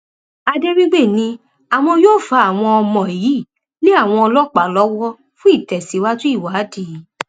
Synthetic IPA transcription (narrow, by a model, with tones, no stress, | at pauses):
a˧de˦ɾi˦ɡ͡be˦˨nĩ˧ | a˨w̃ɔ̃˧joː˦˨fa˧˦a˨w̃ɔ̃˧ɔ˧mɔ̃˨ji˨˦˨ | le˦a˦˨w̃ɔ̃˧ɔ˧lɔ˦k͡pa˨lɔ˨˦wɔ˦ | fũ˦i˦˨tɛ˨si˨˦wa˦tũ˦i˦˨wa˨˦di˨˦˨